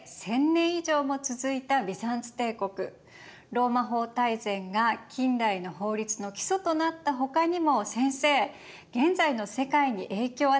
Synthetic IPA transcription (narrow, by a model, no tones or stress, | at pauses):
sẽ̞nːẽ̞ɰ̃iʑo̞ːmo̞t͡sɨzɨit̪abʲisãnt͡sɨ̥t̪e̞ːko̞kɯ̟ | ɾo̞ːmaɦo̞ːt̪aizẽ̞ŋɡakʲĩndaino̞ɦo̞ːɾʲit͡sɨno̞kʲi̥so̞t̪o̞nat̪ːaɦo̞kaɲ̟imo̞sẽ̞ɰ̃se̞ː | ɡ̥ẽ̞nd͡zaino̞se̞kaiɲ̟iʔe̞ːkʲo̞ːa